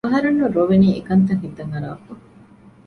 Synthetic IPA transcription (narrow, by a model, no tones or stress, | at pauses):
ɐɦɐɾunːuɾoʋeniːekɐnt̪ɐŋɦid̪ɐŋɐɾa̰ːku